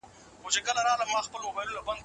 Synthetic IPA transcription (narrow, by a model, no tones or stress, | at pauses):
ʊ̃d͡ʑekəlaɾãːlamãːxpəlmobaːjlũlabɐnd̪